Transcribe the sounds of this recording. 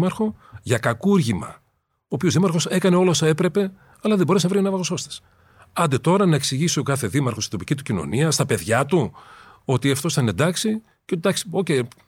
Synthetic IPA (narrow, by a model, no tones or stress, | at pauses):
mɐɾxo̞ʝɐkɐkuɾʝimɐ̰ | oːpio̞zðimɐɾxo̞se̞kɐne̞o̞losɐe̞pɾe̞pe̞ | ɐlɐðeboɾesnɐvɾinɐvɐɣoso̞st̪ɐ̥s | ɐnd̪e̞t̪o̞ɾɐnɐeksiʝiso̞kɐθe̞ðimɐɾxost̪i̥t̪o̞pi̥cit̪ucino̞̰niɐst̪ɐpe̞ðʝɐt̪uo̞t̪iɐft̪o̞st̪ɐne̞nd̪ɐksi | cet̪id̪ɐksi̥ocej